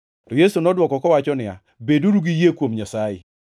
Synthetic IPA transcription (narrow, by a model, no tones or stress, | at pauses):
tojesunɔdwɔkɔkɔwat͡ʃɔnɪa̰ | beduɾuɡijekwomɲasajḛ